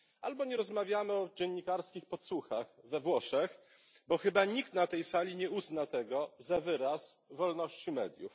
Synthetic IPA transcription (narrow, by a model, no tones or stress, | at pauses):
albɔɲɛɾɔzmavʲjamɘɔd͡ʑɛɲːikaɾskʲixpɔt̪suxaxvɛvwɔʂɛx | bɔxɘbaɲik̚t̪nat̪ɛjsalʲiɲɛuznat̪ɛɡɔzavɘɾasvɔlnɔɕt͡ɕimɛ̰d̪ʲjṵf